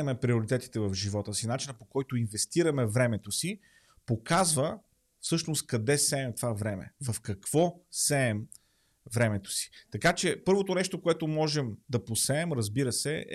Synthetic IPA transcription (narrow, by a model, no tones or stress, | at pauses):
mɛpɾioɾit̪ɛt̪i̥t̪ɛvɐvʒivɔt̪əsinat͡ʃinəpokɔjt̪oinvɛst̪iɾɐmɛvɾɛmɛt̪osi | pokazvə | fsɤʃnost̪kɐd̪ɛsɛːmt̪vavɾɛmɛ̰vɐfkɐkv̥ɔsɛɛm | vɾɛmɛt̪o̥si̥t̪ɐkat͡ʃɛpɤɾvot̪onɛʃt̪okoɛt̪omɔʒɛmd̪ɐposɛːmɾəzbiɾəsɛ̰